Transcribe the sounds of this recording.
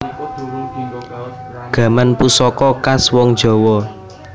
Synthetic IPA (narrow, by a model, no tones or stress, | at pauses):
ɡ̥ä̤manpusɔkɔkaswɔŋd̥ʒ̥ɔ̤wɔ